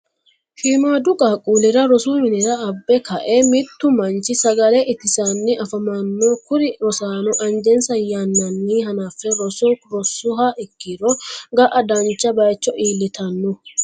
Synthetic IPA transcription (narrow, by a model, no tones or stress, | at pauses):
ʃiːmaːd̪ʊkʼaːkʼuːlɪɾɐɾɔsuːmɪnɪɾɐɐbːɛkɐʔɛmɪt̪ːʊmɐnt͡ʃɪsɐɡɐlɛʔɪt̪ːɪsanːɪʔɐfɐmɐnːɔkʊɾɪɔsaːnɔʔɐnd͡ʒɛnsɐjɐnːɐnːiːɦɐnaːfːɛɾɔsɔɾɔsʊɦaːʔɪkːɪɾɔɡɐʔɐd̪ɐnt͡ʃːɐbɐjt͡ʃːɔʔiːlːɪt̪ɐnːɔ